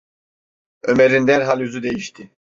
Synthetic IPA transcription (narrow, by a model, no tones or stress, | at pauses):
ømeɾind̪æɾɦalʲyzyd̪ejiʃt̪ʰɪ